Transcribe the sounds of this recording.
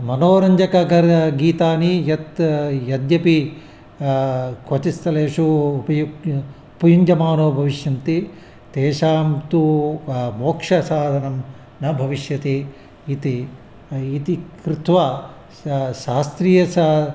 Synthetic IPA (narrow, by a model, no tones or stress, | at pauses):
mɐnoːɾɐɲd͡ʒɐkɐɡɐɾɡiːt̪aːnijɐt̪jɐd̪jɐpi | kʋɐt͡ʃist̪ɐleːʂuːpɐjuɡ | upɐjuɲd͡ʒɐmaːnoːbʱɐʋiʃjɐnt̪i | t̪eːʃaːmt̪u | moːkʂɐsaːd̪ʱɐnɐm | nɐbʱɐʋiʃjɐt̪eː | t̪i | it̪ikɾut̪ʋa | ʃaːst̪ɾiːjɐsa